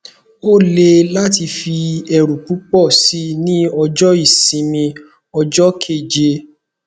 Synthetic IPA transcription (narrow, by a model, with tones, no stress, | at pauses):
o˦˨le˧la˦ti˧fi˧ɛ˨ɾu˨pu˦k͡pɔ˦˨si˦nĩ˦ɔ˧d͡ʒɔ˦i˦˨sĩ˧mĩ˧ | ɔ˧d͡ʒɔ˦kʰe˦˨d͡ʒe˧